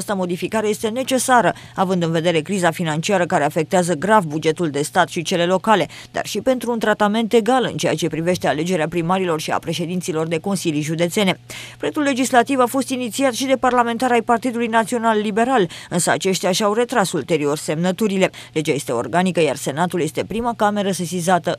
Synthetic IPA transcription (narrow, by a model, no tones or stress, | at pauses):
ast̪əmo̞d̪ifikaɾe̞je̞st̪e̞ne̞t͡ʃe̞saɾə | avɨnd̪ɨnve̞d̪e̞ɾe̞kɾizafinant͡ʃiaɾəkaɾe̞afe̞k̚t̪eazəɡɾavbud͡ʒe̞t̪uld̪e̞st̪at̪ʃit͡ʃe̞le̞lo̞kale̞ | d̪a̰rʃipe̞nt̪ɾuːnt̪ɾat̪ame̞nt̪e̞ɡalɨ̰nt͡ʃe̞jat͡ʃe̞pɾive̞ʃt̪e̞ale̞d͡ʒe̞ɾeapɾimaɾilo̞rʃia̰pɾe̞ʃe̞d̪int̪silo̞rd̪e̞ko̞nsiljʒud̪e̞t̪se̞nepɾe̞t̪ulːe̞d͡ʒislat̪ivafo̞st̪init̪siat̪ʃid̪e̞parlame̞nt̪aɾajpart̪id̪ulujnat̪sio̞nalːibe̞ɾalɨnsəa̰t͡ʃe̞ʃt̪jaʃawre̞t̪ɾasult̪e̞ɾio̞rse̞mnət̪uɾile̞le̞d͡ʒaje̞st̪eo̞̰rɡanikəja̰rse̞nat̪ulje̞st̪e̞pɾimakame̞ɾəsesizat̪ə